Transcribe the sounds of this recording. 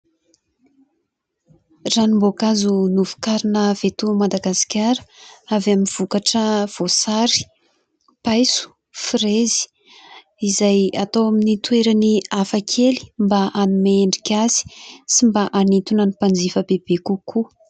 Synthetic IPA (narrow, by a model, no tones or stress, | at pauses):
ranimbokazunuv̥u̥kaɾinəv̥et̪umad̪aɡasi̥kʲaɾə̥avaminv̥ukaʈ͡ʂəv̥osaɾi̥ | pajsu̥ | firezi̥ | izajat̪owaminit̪weɾaniafakʰeli̥mbaʔanumeeɳɖ͡ʐikʲazi̥simbaʔanit̪unənipand͡zifəbeb̥ekukʰu